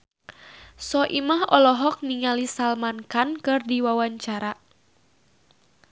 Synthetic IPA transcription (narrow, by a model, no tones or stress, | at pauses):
sɔʔimahɔlɔɦɔk̚niŋalisalmankankɨrdiwawaɲt͡ʃaɾa